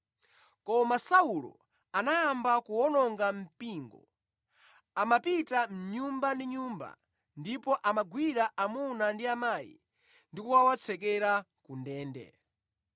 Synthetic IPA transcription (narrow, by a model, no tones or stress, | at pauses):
kɔmasaulɔ̰ | anajambakuwɔnɔŋɡam̩piːŋɡɔ̰ | amapitam̩ɲumbandiɲuːmba̰ | ndipɔʔamaɡwiɾaʔamunandiamaːjḭ | ndikuwawat͡sʰɛkɛɾa | kundɛːndɛ̰